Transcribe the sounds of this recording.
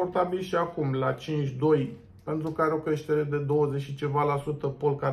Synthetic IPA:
ort̪abilʃiakumlat͡ʃint͡ʃʲd̪o̞j | pe̞nt̪ɾukaɾeo̞kɾe̞ʃt̪e̞ɾe̞d̪e̞d̪o̞wəzet͡ʃʲʃit͡ʃe̞valasut̪əpolka

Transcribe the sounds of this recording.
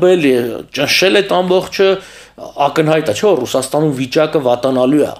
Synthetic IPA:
bɛljɛt͡ʃənʃɛlɛt̪ʰɑmbɔχt͡ʃʰə | ɑkənɦɑjt̪ɛt͡ʃʰɛvɔrusɑst̪ɑnumvit͡ʃɑkəvɑt̪ɑnɑlujɛ̰

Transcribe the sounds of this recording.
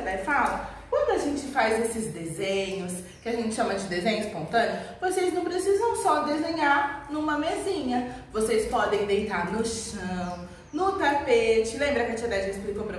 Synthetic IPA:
d̪ɛjfalɐkwɐ̃nd̪ʊaʒẽnt͡ʃɪfajzesɪzd̪ezẽɲʊs | kɪaʒẽnt͡ʃɪʃɐ̃mɐd͡ʒɪd̪ezẽɲʊspõnt̪ɐ̃nʊvosejznɐ̃w̃pɾesizɐ̃w̃sɔd̪ezẽɲaɾnũmɐmezĩɲɐvosejspɔd̪ẽj̃d̪ejt̪aɾnʊʃɐ̃w̃ | nʊt̪apet͡ʃɪlẽmbɾɐkɪat͡ʃiad̪ɛʒɐisplikopɾɐ

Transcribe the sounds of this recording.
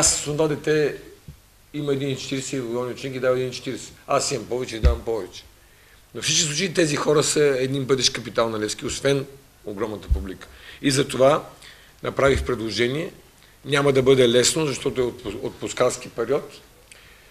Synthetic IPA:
assond̪ad̪ɛt̪ɛ | iməɛd̪int͡ʃɛ̥t̪iɾɛsɛvɡ̪ɔvniʊt͡ʃɛnikid̪avəɛd̪int͡ʃɛ̥t̪iɾɛsɛ̥asimɐmpɔvɛt͡ʃɛid̪avɐmpɔvɛt͡ʃɛ̥ | nofsit͡ʃkʲi̥slˠut͡ʃəit̪ɛzixɔɾəsəɛd̪ninbɤd̪ɛʃkɐpit̪alˠnɐlɛskiosvɛn | oɡɾɔmnət̪ə̥publikə̥izɐt̪ova | nɐpɾavixpɾɛd̪lˠoʒɛniɛ | nʲamɐd̪ɐbɤd̪ɛlɛsnozɐʃt̪ɔt̪ʊɛot̪ot̪̚poskalskipɛɾiɔt̪

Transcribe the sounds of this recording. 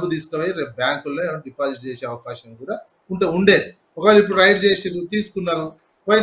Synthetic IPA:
bːud̪iːsu̥koʋaːjiɾeːp̚bjaːŋkulonɖipaːziʈ̚t͡ʃeːʃeːɐʋɐkaːʃɐmkuːɽaː | uɳʈeuɳɖe̞ːi | ɔkɐʋalːuip̬ːuɽɾɐjʈ̚t͡ʃeːsid̪ut̪iːsu̥kunːaːɾu | ʋɐj

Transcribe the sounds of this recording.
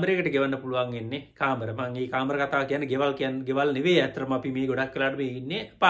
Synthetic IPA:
mbəɾekəʈəɡeʋanːəpuluʋaŋenːekaːməɾəmɐŋeːkaːməɾəkat̪aːkijanːəɡeʋalkijanːɡeʋalneʋeːæt̪ɾɐmɐpimeːɡoɽakʋelaːʈəmeːinːepa

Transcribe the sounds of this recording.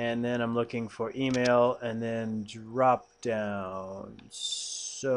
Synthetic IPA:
ɨ̃nðɨ̃ɾ̃ãɪ̃mlʊkɪ̃ŋfə˞ʔimeɪlˠɨ̃nðɨ̃ndɹɑp̚d̥ãʊ̃n | o

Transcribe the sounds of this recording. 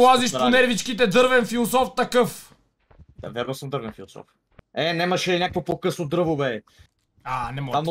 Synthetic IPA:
lˠaziʃʊnɛɾvit͡ʃkit̪ɛd̪ɤɾvɛnfilˠosɔft̪ɐkɤf | d̪a̰vɛɾd̪osəmd̪ɤɾvɛnfilˠosɔ̰f | ɛnɛmɐʃɛnʲjakvopokɤsnod̪ɾəvoβɛ | anɛmɔam

